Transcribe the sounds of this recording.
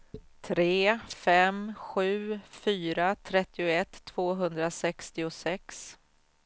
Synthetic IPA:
t̪ʰɾeːfɛmɧʉ̟ːfyːɾat̪ʰɾɛt̪ːɪʊɛt̪ʰːv̥oːɦɵnd̪ɾasɛkst̪ɪʊsɛks

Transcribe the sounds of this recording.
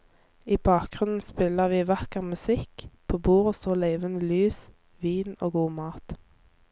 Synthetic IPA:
iːbɑːk̚ɡʁʉnn̩spɪləʁʋiːʋɑkəʁmʉsɪkpʰoːbuːʁoːst̪oːleɪʋənəlyːs | ʋiːno̰ːɡuːmɑːt̪

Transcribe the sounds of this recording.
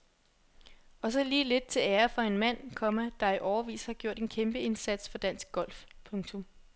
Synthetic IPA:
ɒ̽sɒ̽liːle̝d̥̚t͡sʰe̝æːɐfɒ̽e̝nmæn̰kʰɒ̽mæd̥ɑ̈iʔɒʊɐʋḭːshɑ̈ɡ̥jo̝ɐ̰d̥e̝nkʰemb̥əe̝nsæd̥sfɒ̽d̥æn̰sɡ̥̚ɡ̥ɒ̽l̰fpʰɔ̽ŋt͡sʰɔ̽m

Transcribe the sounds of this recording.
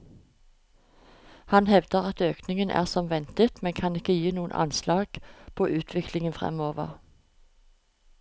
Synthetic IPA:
hɑnhɛʋd̪̥əʁɑt̪øːknɪŋənʔæ̰ːʁsɔmʋɛnt̪ət̪mɛnkʰɑnɪkəjiːnuːənʔɑ̰nslɑːɡ̥pʰoːʔʉːt̪ʰʋɪklɪŋənfʁɛ̰moːʋə̰ʁ

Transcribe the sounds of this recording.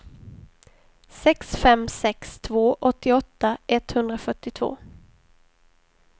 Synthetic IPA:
sɛksfɛmsɛkst̪ʰvoːʔɔt̪ːɪɔt̪ːaɛt̪hɵnd̪ɾafœʈːɪt̪ʰv̥o̰ː

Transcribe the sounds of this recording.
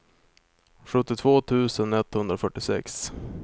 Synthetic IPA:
ɧɵt̪ːɪt̪ʰvoːt̪ʰʉ̟ːsənɛt̪ːhɵnd̪ɾafœʈːɪsɛ̰ks

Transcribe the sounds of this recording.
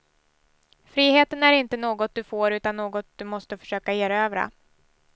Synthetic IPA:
fɾiːheːt̪ənæɾɪnt̪ənoːɡɔt̪̚d̪ɵfoːɾʉ̟ːt̪anːoːɡɔt̪̚d̪̥ɵmɔst̪əfœ̥ʂøːkajeːɾøːvɾa̰

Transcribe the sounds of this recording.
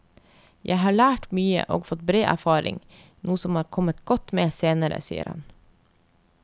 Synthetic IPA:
jæɪɦɑːɭæːʈmyːə̰ʔoːɡfɔt̪̚bɾeːʔæ̰ɾfɑːɾɪ̰ŋ | nuːəsɔmhɑːɾkʰɔmət̪ɡ̥ɔt̪meːseːnəɾə̰sḭːə̰ɾhɑ̰n

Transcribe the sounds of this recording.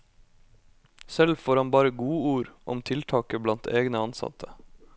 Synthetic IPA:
sɛlfoːɾhɑnbɑːɾəɡuːuːɾʔɔ̰mt̪ʰɪlt̪ʰɑːkəblɑnt̪ʰeːɡnəɑnsɑ̰t̪ʰə

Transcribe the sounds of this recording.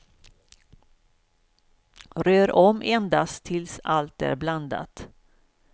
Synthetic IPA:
ɾøːɾʔɔmʔɛnd̪ast̪ʰːɪlsalt̪æ̰ɾbland̪a̰t̪

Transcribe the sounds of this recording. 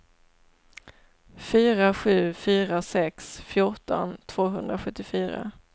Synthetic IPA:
fyːɾaɧʉ̟ːfyːɾasɛksfjʊʈɔ̰nt̪ʰv̥oːɦɵnd̪ɾaɧɵt̪ːɪfyːɾa̰

